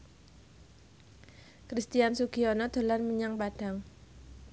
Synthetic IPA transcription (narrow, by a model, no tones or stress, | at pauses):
kɾist̪iansuɡ̥iɔnɔd̪̥o̤lanmiɲaŋpad̥a̤ŋ